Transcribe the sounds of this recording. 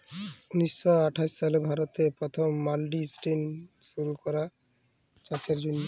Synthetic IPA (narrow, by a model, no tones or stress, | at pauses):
uniʃːɔaʈʰaʃʃalebʱaɾot̪epɾɔt̪ʰomːalɖisʈen | ʃuɾukɔɾa | t͡ɕaseɾd͡ʑonːo